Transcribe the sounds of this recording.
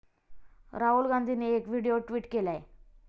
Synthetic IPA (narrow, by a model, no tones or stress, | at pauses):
ɾaɦulɡand̪ʱineːkʋiɽeoʈʋiːʈkelae